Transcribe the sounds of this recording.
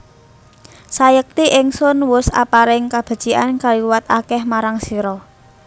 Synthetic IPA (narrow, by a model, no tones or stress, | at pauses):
sajək̚t̪iʔɪŋsʊnwʊsa̰paɾɪŋkab̥a̤d̥ʒ̥iʔankaliwat̪akɛhmaɾaŋsiɾɔ